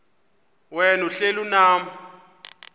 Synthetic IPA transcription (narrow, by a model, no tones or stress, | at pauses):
wɛnuɬelunaːm̩